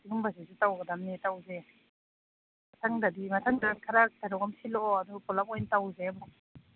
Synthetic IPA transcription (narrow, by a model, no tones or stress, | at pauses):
diɡɯmbazezutawɡadamnetawze | atʰaŋdadimatʰaŋdakʰaɾak̚taɾɔwkamsilɔadupɔlamɔjntawzemɔ